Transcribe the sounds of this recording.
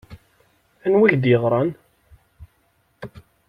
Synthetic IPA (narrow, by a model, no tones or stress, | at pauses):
ænwiçd̪jʁɾˤɑn